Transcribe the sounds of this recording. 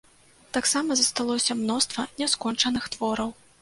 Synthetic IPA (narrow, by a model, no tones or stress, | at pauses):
t̪aksamɐzɐst̪alˠɔsʲɐmnɔst̪vɐnʲɛskɔnt͡ʂɐnɨxt̪vɔɾɐw